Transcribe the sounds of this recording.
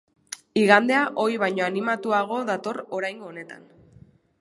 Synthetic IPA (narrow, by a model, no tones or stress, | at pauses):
iɣand̪e̞aʔo̞jβ̞ajɲo̞animat̪uaɣ̞o̞ðat̪o̞ro̞ɾajŋɡo̞ːne̞t̪a̰n